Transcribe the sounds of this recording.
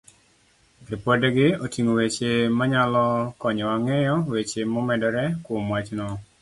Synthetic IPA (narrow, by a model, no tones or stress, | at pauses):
ɾipɔdɛɡɪotiŋowet͡ʃemaɲalɔkɔɲɔwaŋɛjɔwet͡ʃemɔmɛdɔɾɛkwʊmwat͡ʃnɔ